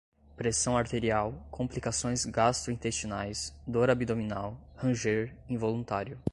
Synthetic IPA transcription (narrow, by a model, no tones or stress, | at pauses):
pɾesɐ̃w̃aɾt̪eɾiawkʰõmplikasõj̃zɡast̪ɾʊĩt̪est͡ʃinajsd̪oɾabid̪ominawhɐ̃ʒeɾĩvolũt̪aɾjʊ